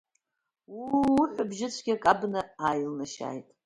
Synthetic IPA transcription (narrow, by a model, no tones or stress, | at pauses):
wiħʷabʒɪt͡ɕʷʰɡʲakʼabnɨaːjlnaʃa̰ːjtʼ